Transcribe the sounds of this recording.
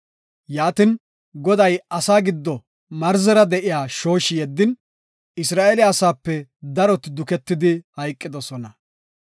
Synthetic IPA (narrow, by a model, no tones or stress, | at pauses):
jaːt̪ɪn | ɡɔd̪ɐjɐsaːɡɪd̪ːɔ | mɐɾzɛɾɐd̪ɛʔɪjaːʃo̞ːʃɪjɛd̪ːɪn | ɪsɾaːʔelɪɐsaːpːɛd̪ɐɾɔt̪ɪd̪ʊkɛt̪ːɪd̪ɪhɐjkʼːɪd̪ɔsɔnɐ